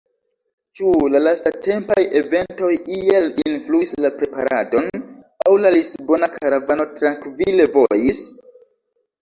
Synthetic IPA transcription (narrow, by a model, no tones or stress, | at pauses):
t͡ʃulalastate̞mpaje̞ve̞nto̞jielinfluislapɾe̞pa̰ɾa̰do̞n | awlalisbo̞nakʰaɾavano̞tɾaŋkvile̞vo̞jis